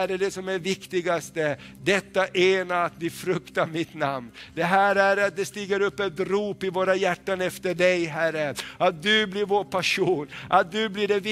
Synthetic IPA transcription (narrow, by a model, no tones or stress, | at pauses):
ɾɛɖɛsɔmæɾvɪkt̪ɪɡast̪ə | d̪ɛt̪ːaʔeːnaɾat̪vɪfɾɵkt̪aɾmɪt̪namnd̪ɛɦæːɾæɾat̪̚d̪ɛst̪iːɡəɾɵpːɛt̪ɾuːpɪvoːɾajæʈːanɛft̪əɖɛjɦærəat̪̚d̪ɵblɪɾvoːɾpʰaʂuːnʔat̪̚d̪ɵblɪɖɛvɪ